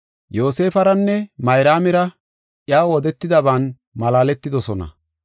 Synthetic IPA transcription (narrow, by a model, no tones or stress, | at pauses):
jo̞ːse̞ːfɐɾɐnːɛmɐjɾaːmɪɾɐ | ʔjaːwɔd̪ɛt̪ːɪd̪ɐbaːn | mɐlaːlɛt̪ːɪd̪ɔsɔnɐ̰